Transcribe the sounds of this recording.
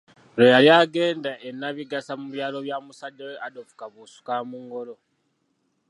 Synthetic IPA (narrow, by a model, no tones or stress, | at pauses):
ɾojaljaɡe̞ːndaʔenːaβiɡasamuβjaːlo̞βjamusaɟaweadofu̥kaβusu̥kamuŋɡo̞lo̞